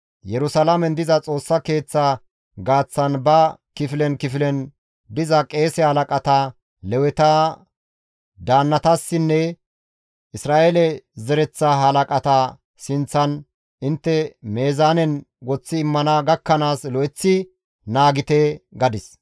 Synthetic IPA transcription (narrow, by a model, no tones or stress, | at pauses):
jɛɾʊsɐlamɛnd̪ɪzɐt͡sʼo̞ːsːɐke̞ːt͡sːa | ɡaːt͡sːɐnbɐ | kɪfɪlɛnkɪfɪlɛn | d̪ɪzɐkʼe̞ːsɛhɐlɐkʼɐt̪ɐ | lɛwɛt̪ɐ | d̪aːnːɐt̪asːɪnːɛ | ʔɪsɾaːʔelɛzɛɾɛt͡sːɐɦɐlɐkʼɐt̪ɐ | sɪnt͡sːɐn | ɪnt̪ːɛmeːzaːnɛn | ɡɔt͡sːɪːmːɐnɐɡɐkːɐnaːslɔʔɛt͡sːɪ | naːɡɪt̪ɛɡɐd̪ɪs